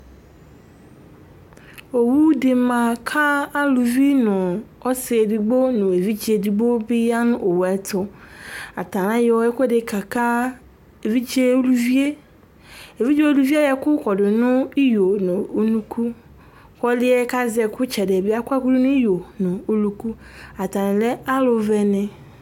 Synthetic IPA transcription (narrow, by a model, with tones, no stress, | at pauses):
o˨wu˦dɪ˨mã˨kʰa˦a˦lu˨vi˦nʊ̃˨ | ɔ˦sɪ˨e˨di˨ɡ͡bo˦nʊ̃˨e˨vi˦d͡ʑi˨e˨di˨ɡ͡bo˦bi˦ja˦nʊ̃˦ʔo˨wɛ˨tʰʊ˦a˨tʰa˨nã˦jɛ˨ɔ˦ɛ˦kɔ˦dɪ˨kʰa˨kʰa˦ | e˨vi˦d͡ʒe˦o˦lu˦vi˦e˦ | e˨vi˦d͡ʒe˦o˦lu˦vi˦a˦jɛ˨kʊ˦kɔ˨dɪ˨nʊ̃˦i˦jo˨nʊ̃˨˦nũ˦kʰu˦ | kɔ˦lɪ˦ɛ˦ka˦zɛ˨kʊ˦t͡ʃɛ˨dɛ˨bɪ˦a˦kʷa˦kʊ˦dɪ˦nʊ̃˦i˦jo˨nʊ̃˨o˨lu˨ku˦ | a˨ta˨nɪ̃˨lɛ˦a˦lʊ˨vɛ˨nɪ̃˨